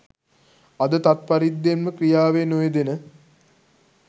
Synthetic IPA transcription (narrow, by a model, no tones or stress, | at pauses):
ɐd̪ət̪at̪̚paɾid̪ːenməkrijaːʋenojed̪enə